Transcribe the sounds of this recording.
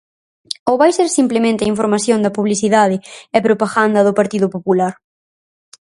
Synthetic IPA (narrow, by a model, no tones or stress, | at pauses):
oβajseɾsimplemẽnt̪ɐiɱfoɾmaθjond̪ɐpuβliθiðaðɪɛpɾopaɣand̪ɐðʊpaɾt̪iðʊpopulaɾ